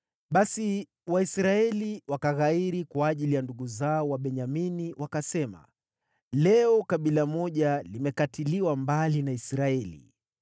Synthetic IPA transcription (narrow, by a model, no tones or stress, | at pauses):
ɓasi | waisɾaɛliwakaɣaiɾikwaːʄilijanduɠuzaɔwaɓɛɲaminiwʔakasɛma̰ | lɛɔkaɓilamɔʄalimɛkatiliwambalinaisɾaɛlḭ